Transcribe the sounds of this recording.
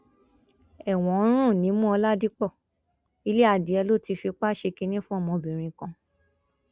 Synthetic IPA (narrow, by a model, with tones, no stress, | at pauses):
ɛ˨w̃ɔ̃˨˦ɾ̃ũ˦˨nĩ˨˦mũ˦ɔ˧la˦di˦k͡pɔ˦˨ | i˧le˦a˦˨di˨˦ɛ˧lo˦˨ti˧fi˧k͡pa˦ʃe˧ki˧nĩ˦fũ˦ɔ˦˨mɔ̃˧bĩ˨ɾ̃ĩ˧kã˧